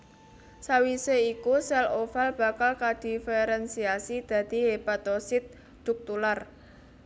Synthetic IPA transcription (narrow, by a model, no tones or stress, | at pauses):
sawiseikusɛlofalb̥ä̤kalkad̪̥i̤feɾɛnsiasid̪̥ä̤d̪̥i̤ɦepat̪osɪt̪̚ | d̪̥ʊk̚t̪ular